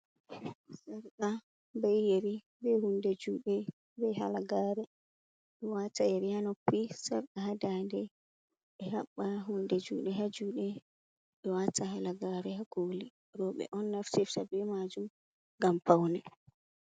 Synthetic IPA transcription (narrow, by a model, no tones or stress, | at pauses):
saɾka | bɛjjeɾi | bɛhundɛd͡ʒuːɗɛ | bɛha̰laɡaːɾɛ | ɗɔwatajɛɾijanɔkːisaɾɗahadandɛ | ɓɛhaɓːaɦundɛd͡ʒuːɗɛɦad͡ʒuːɗɛ | ɗɔwatahalaɡaɾɛhaɡoːli | ɾɔɓɛ̰ʔɔnːaftiftabɛmad͡ʒum | ɡampawnɛ